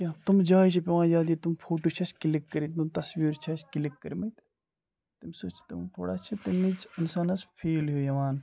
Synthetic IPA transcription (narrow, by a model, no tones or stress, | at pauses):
t͡ʃʲãːt̪umd͡ʒaːit͡ʃʰɐpʲiʋaːnjaːd̪it̪umfʰoːʈoːt͡ʃʰɐskilikːɐɾit̪umt̪ɐsʋiːɾt͡ʃʰɐskilikːɐɾimɐt̪ | t̪ɐmsoːt͡ʃʰt̪umt̪ʰo̰ːɽa̰ːt͡ʃʰɐt̪imit͡sinsaːnɐsfʰeːlɦujɐʋaːn